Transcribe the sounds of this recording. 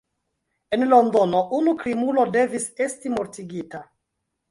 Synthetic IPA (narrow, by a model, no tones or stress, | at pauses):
e̞nlo̞ndo̞no̞ʔunukɾimulo̞de̞vise̞stimoɾtiɡita